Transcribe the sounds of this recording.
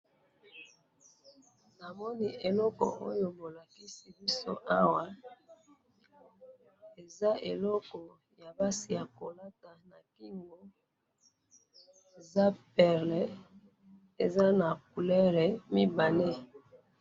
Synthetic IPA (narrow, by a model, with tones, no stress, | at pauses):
na˨mɔ˦ni˦ʔe˨lɔ˦kɔ̰˨ʔo̰˦jo˨bo˨la˨ki˦si˨bi˦so̰˦ʔa˦wa˨ | e˨za˦e˨lɔ˦kɔ˨ | ja˨ba˦si˨ja˨ko˨la˦ta˨na˨ki˦ŋɡo˨ | e˨za˦pɛ˨ʁlɛ˨ | e˨za˦na˨k̚u˨lɛ˦ʁɛ˨mi˦ba˨ne˦